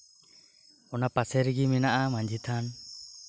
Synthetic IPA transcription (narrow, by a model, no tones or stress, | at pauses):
ɔnapasɛɾiɡiminaʔamaɲd͡ʒʱit̪ʰan